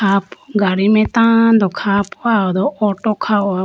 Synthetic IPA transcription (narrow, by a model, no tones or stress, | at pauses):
apɡaɾimɛt̪ãd̪ɔkʰapɔaɔd̪ɔʔɔʈɔkʰaɔa